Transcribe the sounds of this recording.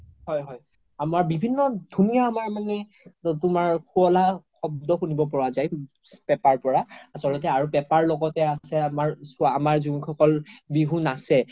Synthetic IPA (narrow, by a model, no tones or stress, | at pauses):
hɔjɦɔj | amaɹbibʱinːɔdʱunijaamaɹmanɛ | tʊmaɹkʰuɔlaxɔb̚dɔxunibɔpɔɹazaj | pɛpaɹpɔɹaasɔlɔt̬ɛaɹupɛpaɹlɔɡɔtɛasɛamaɹsamaɹzuŋkʰxʰɔkɔlbiɦunasɛ